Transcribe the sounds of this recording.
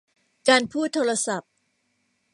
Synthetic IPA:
kaː˧npʰuː˥˩t̪ʰːoː˧ɾa˧sa˨˩p̚

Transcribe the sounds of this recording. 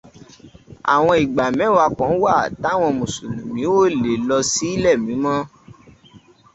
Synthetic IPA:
a̰˨w̃ɔ̃˧i˨ɡ͡ba˨mɛ̃˨˦wa˧kɔ̃˨˦wa˦˨ta˨˦˨w̃ɔ̃˧mũ˨su˨nũ˨mĩ˨˦wo˦˨le˨lɔ˧si˦i˦lɛ˦˨mĩ˨˦mɔ̃˦

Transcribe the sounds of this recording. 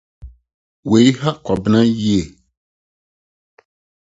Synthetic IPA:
we˨jha˦kɔ˨bɪ˦nã˦ji˦e˨

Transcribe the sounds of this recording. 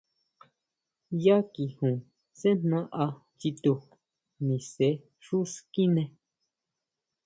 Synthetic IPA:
ja˦ki˨hũ˨ | sẽ˦n̥nã˧ʔa˧ | t͡ʃi˧t̪u˧ | nĩ˨se˨˧˦ | ʂu˦ski˦nẽ˧

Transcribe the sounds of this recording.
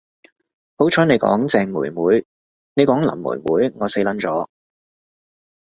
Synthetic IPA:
ho˨˥wt͡ʃʰɔː˨˥ne˨˧jkɔ̰ː˨˥ŋt͡sɛː˧ŋmuː˨˩jmuː˨˥j | ne˨˧jkɔː˨˥ŋlɐ̰˨˩mːṵː˨˩jmṵː˨˥jŋɔː˨˧se˨˥jlɐ˨˥nt͡sɔː˨˥

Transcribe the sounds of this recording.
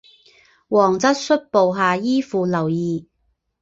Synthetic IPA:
wɔː˨˩ŋt͡sɐ˥t̚sɵ˥t̚po˨˧wɦaː˨jiː˥fuː˨˧lɐ˨˩wjiː˨˧

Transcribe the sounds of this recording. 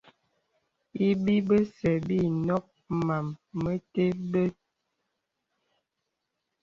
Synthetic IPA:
i˦bi˦bə˦sɛ˨bi˦˨nɔ˦k̚ | ma˨mːə˦te˦bə˦

